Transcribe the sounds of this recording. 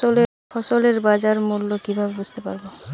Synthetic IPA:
ole | fɔsoleɾbad͡ʑaɾmulːokibʱabebud͡ʑt̪epa̰ɾbo

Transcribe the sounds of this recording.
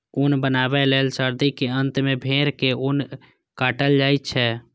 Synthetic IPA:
unbənabɛlelsəɾd̪ikeənt̪mebʱeːɾkeun | kaːʈəld͡ʒaːɪtt͡ʃʰɛ

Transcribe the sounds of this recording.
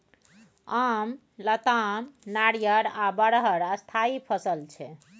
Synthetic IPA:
am | lət̪amnaɽijəɾabəɽɦəɾəst̪ʰaipʰəsəlt͡ʃʰɛ

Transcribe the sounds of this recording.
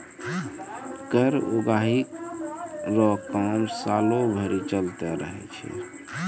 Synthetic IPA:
kəɾoɡaɦi | ɾɔkamsalobʱəɾit͡ʃəlt̪ɛɾəɦɛ̰t͡ʃʰɛ̰

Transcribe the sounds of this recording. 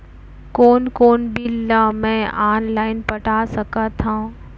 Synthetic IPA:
koːnkoːnbʱilːamɛ̃ʔaːnlaːɪnpɐʈasɐkat̪ʰãː

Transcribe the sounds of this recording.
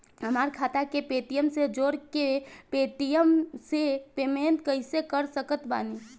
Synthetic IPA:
ɦəmaɾkʰaːt̪akepet̪ijəmsed͡ʒoɽkepet̪ijəmsepement̪̚kəɦɪsekəɾsəkət̪ba̰ni

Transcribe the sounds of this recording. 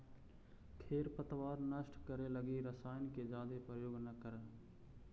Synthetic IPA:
kʰeːɾpət̪ʋaːɾnəʃʈʰkəɾeləɡiɾəsaːɪnked͡ʒaːd̪epɾəjoːɡnəkəɾəː

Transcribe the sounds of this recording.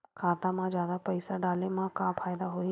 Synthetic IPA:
kʰaːt̪amãd͡ʒjaːd̪apɐɪsaɖaːlemãkãːfʰaːjd̪aɦoi

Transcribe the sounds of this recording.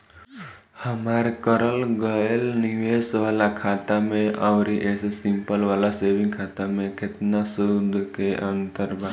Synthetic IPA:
həmaːɾekəɾəlɡəelniʋesʋaːlakʰaːt̪amẽʔaʋɾiʔesesɪ̃mpəlʋaːlaseʋɪ̃ŋɡkʰat̪amẽket̪nasud̪ʱkeʔə̃nt̪əɾbʱa

